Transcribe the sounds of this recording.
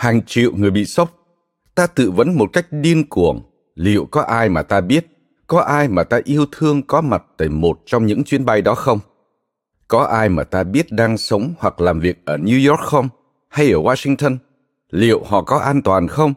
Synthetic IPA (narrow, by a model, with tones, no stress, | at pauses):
haː˨˩ŋt͡ɕḭ˧˨ə˨wŋɨ˨˩əjɓḭ˧˨sə˦˥wk͡p̚ | t̪aː˧t̪ɨ̰˧˨və̰˨˦nmo˨˩t̚ka˦˥jk̟̚ɗi˧ənku˨˩əŋ | lḭ˧˨ə˨wkɔ˨˦ʔaː˧jmaː˨˩t̪aː˧ɓi˦˥ət̚ | kɔ˨˦ʔaː˧jmaː˨˩t̪aː˧ʔi˧əwt̪ʰɨ˧əŋkɔ˨˦ma˨˩t̚t̪aː˧˩jmo˨˩t̚t͡ɕɔ˧wŋ͡mɲɨ̰˧˥ŋt͡ɕwi˨˦ənɓa˧jɗɔ˨˦xə˧wŋ͡m | kɔ˨˦ʔaː˧jmaː˨˩t̪aː˧ɓi˦˥ət̚ɗaː˧ŋsə˨˦wŋ͡mhwa˨˩k̚laː˨˩mvi˨˩ək̚ʔəː˧˩nju˧jɔ˦˥k̚xə˧wŋ͡m | ha˧jʔəː˧˩waː˧sï˧ŋt̪ə˧n | lḭ˧˨əwhɔ̰˧˨kɔ˨˦ʔaː˧nt̪waː˨˩nxə˧wŋ͡m